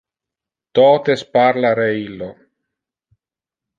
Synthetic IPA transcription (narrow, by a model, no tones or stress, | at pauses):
t̪ɔːt̪espaɾlaɾeilːo